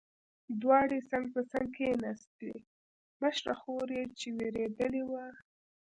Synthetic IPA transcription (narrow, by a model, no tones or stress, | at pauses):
d̪wɑɽesaŋɡ̚pəsaŋɡ̚kʰejenast̪ḛ | məʃɾa̰xoɾjet͡ʃeweɾed̪əlewa